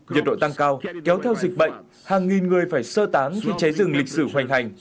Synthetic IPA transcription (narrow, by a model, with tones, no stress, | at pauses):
ɲi˨˩t̚ɗo̰˧˨t̪a˧ŋkaː˧wkɛ˨˦wt̪ʰɛ˧wzï˨˩k̚ɓə̰˧˨jŋ̟ | haː˨˩ŋːi˨˩nŋɨ˨˩əjfaː˧˩jsəː˧t̪aː˨˦ŋxi˧t͡ɕa˨˦jzɨ˨˩ŋlï˨˩k̟̚sɨ˧˩ɦwa˨˩jŋ̟ɦa˨˩jŋ̟